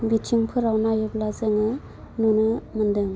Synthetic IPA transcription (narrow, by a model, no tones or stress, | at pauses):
bitʰiŋpʰɯɾawnajɯblazɯŋɯ | nunɯmɯndɯŋ